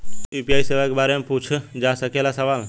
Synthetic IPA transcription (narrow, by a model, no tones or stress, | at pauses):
upiaiseʋakbaɾemput͡ʃʰd͡ʒasəkelasəʋal